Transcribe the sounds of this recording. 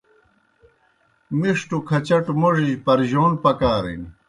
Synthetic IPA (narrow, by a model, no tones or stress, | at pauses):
miʂʈukʰɐt͡ɕɐʈmoʐiʑpɐɾʑoːnpɐkaːɾḭn